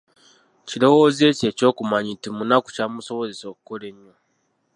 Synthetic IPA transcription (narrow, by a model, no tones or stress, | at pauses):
cilo̞woze̞ce̞ːco̞ːkumaɲintimunaku̥camuso̞βo̞zeso̞ːku̥kole̞ɲːo